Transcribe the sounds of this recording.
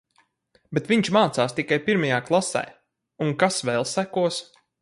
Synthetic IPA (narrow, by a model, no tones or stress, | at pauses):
bɛt̪viɲt͡ʃmaːt̪saːst̪ikajpiɾmajaːklˠasɛ̰j | uŋkasʋɛlˠsækuɔs